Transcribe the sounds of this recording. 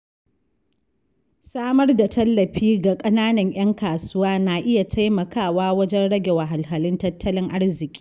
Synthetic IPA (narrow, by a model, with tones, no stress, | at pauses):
saː˦mɐ˦rda˨tʰɐ˦lːɐ˨ɸiː˦ɡa˨kʼɐ˦naː˦nɐ˨ɲj̰ʔɐ˦ŋkaː˨sʊ˦waː˦na˨ʔɪ˦ja˨tʰa˦jmɐ˨kʰaː˦˨waː˦wɐ˦d͡ʒɛ˦nɽɐ˦ɡʲe˨wa˨ɦa˨lɦɐ˨lɪ˦ntɐ˦tʰːɐ˦lɪ˦ŋʔa˦rzɪ˨kʲʼi̥ː˦